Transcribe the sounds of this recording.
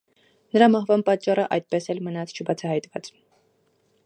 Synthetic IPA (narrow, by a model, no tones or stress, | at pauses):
nəɾɑmɑhvɑnpɑt͡ʃːɑrəʔɑ̰jt̪̚pɛsɛlmənɑt͡sʰt͡ʃʰəbɑt͡sʰɑhɑjt̪vɑ̰t͡s